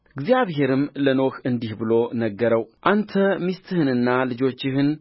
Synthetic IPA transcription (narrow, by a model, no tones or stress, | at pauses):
ɨɡzijaβhe̞ɾɨmləno̞xɨnd̪ihbɨlo̞nəɡːəɾəwʔant̪ʰəmist̪ʰɨhɨnɨnːalɨd͡ʒo̞t͡ʃːɪhɨn